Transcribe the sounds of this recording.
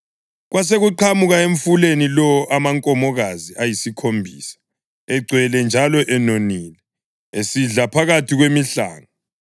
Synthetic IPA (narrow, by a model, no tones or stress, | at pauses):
ɣwas̬eɣuǃʰamuɣaeɱfulenilɔʔamaŋkʼɔmɔɣaziʔajisikʰombʱiːsḁ | ɛɡ͡ǀʱwɛlɛnd͡ʒʱalɔʔɛnoniːlɛ | esiɮapʰaɣatʰiɣwemiɬa̰ːŋa